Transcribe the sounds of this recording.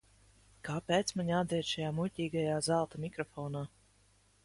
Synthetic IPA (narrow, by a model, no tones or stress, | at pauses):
kaːpeːt̪smaɲʲad̪zʲɛɛt̪ʃajaːmulʲtʲiːɡajaːzalˠt̪amʲikɾɔfɔːnaː